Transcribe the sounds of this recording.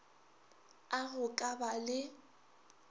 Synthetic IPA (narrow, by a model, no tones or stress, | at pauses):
aɣʊkʼabalɪ